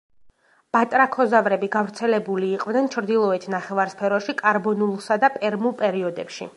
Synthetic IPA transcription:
b̥at̪ʼɾakʰɔzavɾɛbiɡavɾt̪sʰɛlɛbuliːqʼvnɛnt͡ʃʰɾd̪ilˠɔɛt̪ʰnaχɛvaɾspʰɛɾɔʃikʼaɾbɔnulˠsad̪apʼɛɾmupʼɛɾiɔd̪ɛpʃḭ

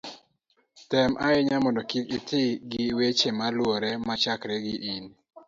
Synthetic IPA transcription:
tɛmʔaɪɲamɔndɔkikɪtʰɪɡɪwet͡ʃemalwɔɾɛmat͡ʃakɾɛɡɪʔin

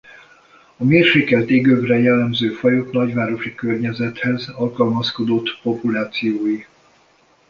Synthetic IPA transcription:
ɒmeːrʃeːkɛlt̪eɡøvrɛjɛlːɛmzøːfɒjot̪nɒɟvaːɾo̞ʃikørɲɛzɛt̪hɛzɒlkɒlmɒsko̞d̪o̞t̪po̞pulaːt̪sijoːji

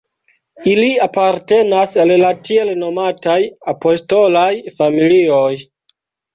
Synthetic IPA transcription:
iliapaɾte̞nasallatie̞lno̞matajapo̞sto̞lajfamilioj

